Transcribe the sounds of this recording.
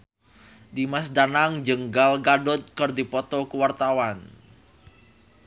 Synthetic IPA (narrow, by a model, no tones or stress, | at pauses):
dimasdanaŋd͡ʒəŋɡalɡadɔt̪̚kərdipɔt̪ɔkəwart̪awan